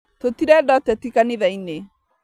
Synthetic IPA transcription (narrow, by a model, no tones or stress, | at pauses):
totiɾɛdɔtɛtikaniðaine